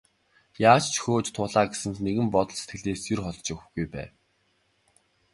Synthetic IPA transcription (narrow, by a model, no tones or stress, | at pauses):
jaːt͡ɕt͡ɕʰxoːt͡ɕt̪ʰʊːɮaːɡesɘ̆nt̪neɣɘ̆mpɔt̪ɞ̆ɮset̪̚ɡɘ̆ɮeːsjirχɔɮt͡ɕĭkɡujpæ̰ː